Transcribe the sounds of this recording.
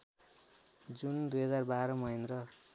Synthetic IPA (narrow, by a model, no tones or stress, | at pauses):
d͡zund̪ujɦʌd͡zarbaɾʌmʌɦinrʌ